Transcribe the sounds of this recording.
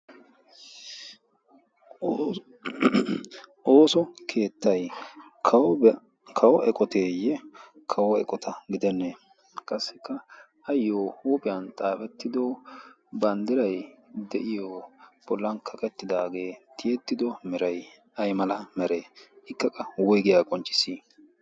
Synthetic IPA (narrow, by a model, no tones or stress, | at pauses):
ʔo̞ːsɔkʰe̞ːt̪ːɐj | kʰɐw | kʰɐwɔʔɛkʼɔt̪e̞ːjɛ | kʰɐwɔɛ̰kʼɔt̪ɐɡɪd̪ɛnːe | kʼɐsːɪkːɐː | jːoːhuːpʼɪjɐnt̪ʼaːfɛt̪ːɪd̪o | bɐnd̪ɪɾɐjd̪ɛʔɪjob̥ɔlːɐnkʰɐkʼɛt̪ːɪd̪aːɡe̞ːt̪ʰɪjɛt̪ːɪd̪ɔmɛɾɐj | ɐjmɐlɐmɛɾeːɪkːɐkʼːɐwɔjɡɪjakʼɔnt͡ʃʼːɪ̥siː